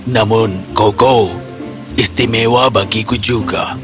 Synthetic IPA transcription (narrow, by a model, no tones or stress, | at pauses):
nɐmunkoko | ɪst̪imẽwabɐkikud͡ʒuka̰